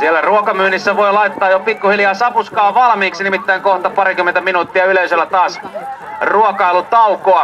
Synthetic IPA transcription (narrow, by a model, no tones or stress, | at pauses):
sielːˑæruokɑmyːnisːæʋoilɑit̪ːɑːjopikːuhiljɑːsɑpuskɑːʋɑlmiːksinimit̪ːæiŋkoht̪ɑpɑɾikyment̪æminuːt̪ːiɑyleyselːˑæt̪ɑːs | ruokɑilut̪ɑukoɑ